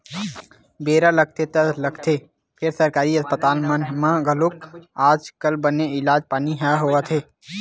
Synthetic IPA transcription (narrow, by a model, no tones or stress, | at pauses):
beːɾaləɡ̚t̪ʰet̪ələɡt̪ʰe | pʰɪɾsəɾkaːɾiəspət̪aːlmənmãɡəlʊkaːd͡ʒkəlbəneɪlaːd͡ʒpaːniɦɛɦoət̪ʰeː